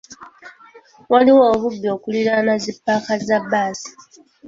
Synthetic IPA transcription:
waliwoːβubːio̞ːkuliɾanazipːakazabːaːsi̥

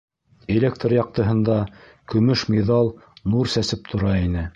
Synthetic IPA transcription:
ĕlʲek̚t̪rjɑq̚t̪ɤ̆ɦɤ̆nd̪ɑ | kɵ̆mɵʃmʲeðɑlˠnuɾsæsɘp̚t̪ʰŏɾɑinɘ

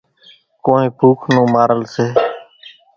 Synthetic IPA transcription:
koːẽːbʱuːkʰnũːmaːɾəlseː

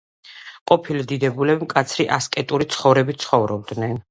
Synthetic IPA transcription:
qʼɔpʰilid̪id̪ɛbulɛbimkʼat̪sʰɾiʔaskʼɛt̪ʼuɾit̪sʰχɔvɾɛbit̪sʰχɔvɾɔb̚d̪nɛn

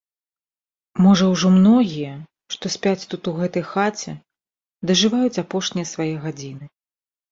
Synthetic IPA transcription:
mɔʐɐwʐɔmnɔɣʲijɐ | ʂt̪ɔsʲpʲat͡sʲt̪ut̪uɣɛt̪ɐjxat͡sʲɛ̰ | d̪ɐʐɨvajut͡sʲapɔʂnʲijɐsvajɛɣad͡zʲinɨ

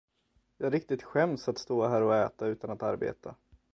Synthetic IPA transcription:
jɑːɡɾɪk̚t̪ɪt̪ɧɛmsat̪st̪oːɦæːɾɔɛːt̪aʉ̟ːt̪anat̪aɾbḛːt̪ʰa̰

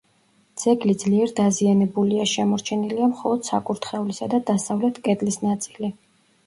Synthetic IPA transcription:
d̪z̥ɛɡlid̪zliɛɾd̪azianɛbuliaʃɛmɔɾt͡ʃʰɛniliamχɔlˠɔd̪̥sa̰kʼuɾt̪ʰχɛulisad̪ad̪asavlɛt̪ʰkʼɛd̪lisnat̪sʼili

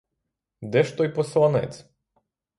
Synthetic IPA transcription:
d̪ɛʃt̪ɔjpɔslˠanɛ̰t̪s

